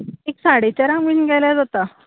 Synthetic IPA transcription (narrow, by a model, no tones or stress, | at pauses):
eksaɽet͡ɕjaɾãŋɡʋiːnɡʱɛjlad͡zʱat̪a